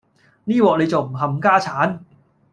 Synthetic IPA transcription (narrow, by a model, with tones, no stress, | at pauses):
niː˥˩wɔː˨˩ʔlɤ˧jt͡ɕo˨˩m̚hʰa˧mkaː˥˩t͡ɕʰaː˩˦˥n